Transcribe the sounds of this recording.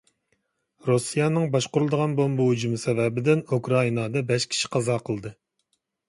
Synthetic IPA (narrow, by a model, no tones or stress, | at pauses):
ɾusijɑnɨŋbɑʃqʊɾulˠd̪əʁɑnbombuɦud͡ʒumsɛvɛbɪd̪ɪnukɾɑinɑd̪ɑbɛʃkʲʰi̥ʃi̥qʰɑzɑːqʰəlˠd̪ɨ